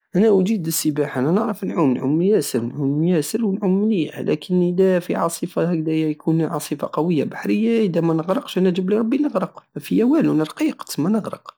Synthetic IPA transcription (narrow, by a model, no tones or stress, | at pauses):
ʔænæʔʊd͡ʒid̪əsːəbaħʔænænəʕɾəfnʕumnʕumjæsəɾnʕumjæsəɾwənʕʊmːlijæ̰lʔæ̰kʰənʔəd̪æfiʕɑsˤifak̚d̪æjjkunʕɑsˤifa̰qɑwəjːabaħɾəjːaʔəd̪æmænəɣɾəqʃʔænəʒəbliɾˤɑbːinəɣɾəqmæfijæwælwnəɾˤqiqt̪mænəɣɾə̰q